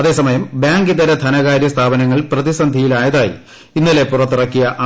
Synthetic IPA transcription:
ɐðe̞ːsɐmɐjɐmbjaːŋɡiðɐɾɐt̪ʰɐnɐɣaːɾjɐst̪ʰaːbɐnɐŋːɐɭprɐðisɐnd̪ʱijilaːjɐðaːjḭ | inːɐle̞purɐt̪ːirɐkːijɐʔ

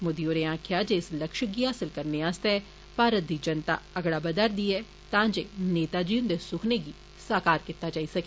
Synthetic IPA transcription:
mʊd̪iːoːɾeːãːkʰɪjaːd͡ʒeːɪsləkʃəɡiːɦaːsɪlkəɾneːãːst̪eɛ | paːɾət̪̚d̪iːd͡ʒənt̪a̰ːəɡɽaːbəd̪əɾd̪iːɛː | t̪ãːd͡ʒeːneːt̪aːd͡ʒiːnd̪eːsʊkʰneːɡiː | saːkaːɾkɪt̪ːaːd͡ʒaːiːsəkeː

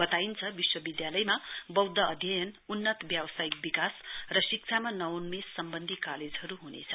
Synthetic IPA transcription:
bʌt̪aint͡sʰʌbiswʌbid̪jalʌjmabʌwd̪ʱʌʌd̪ʱjʌjʌnunːʌt̪bjawʌsaik̚bikasrʌsik̚t͡sʰamanʌwnmesːʌmbʌnd̪ʱikaled͡zɦʌɾuɦunḛt͡sʰʌ

